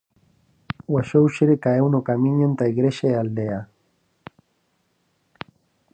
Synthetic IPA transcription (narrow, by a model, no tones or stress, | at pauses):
waʃowʃeɾekaewnokamiɲant̪aiɡɾeʃaeald̪ea